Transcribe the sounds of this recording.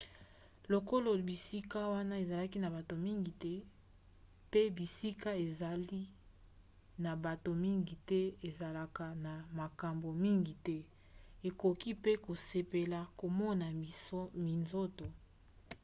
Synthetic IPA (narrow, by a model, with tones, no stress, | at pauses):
lo˨ko˦lo˨bi˨si˦ka˦wa˦na˦e˨za˨la˦ki˦na˨ba˨to˨mi˦ŋɡi˨tɛ˦ | pe˦bi˨si˦ka˦e˨za˨li˦ | na˨ba˨to˨mi˦ŋɡi˨tɛ˦e˨za˨la˨ka˨na˨ma˨ka˨mbo˨mi˦ŋɡi˨tɛ˦ | e˨ko˨ki˦pe˦ko˨se˨pe˨la˨ko˨mɔ˦na˨˦mi˨nzo˦to˨